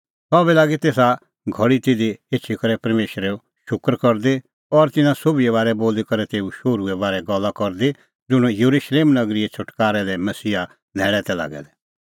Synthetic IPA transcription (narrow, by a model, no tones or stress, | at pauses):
sɔːbɛlaːɡit̪eːsa | ɡʱɔɽit̪ɪd̪ieːt͡ʃʰikɐɾɛpɐɾmeːʃɾɛo | ʃʊkɾkɔɾd̪e | ɔɾt̪ɪnãsobiɛβaːɾɛboːlikɐɾɛt̪eːuʃoːɾuɛbaːɾɛɡɔlːakɔɾd̪i | d͡zʊɽ̃jɐɾuʃleːmnɐɡɾiɛt͡ʃʰʊʈkaːɾɛlɛmɐsiːa | nɛːɭɛt̪ɛla̰ːɡɛ̰lɛ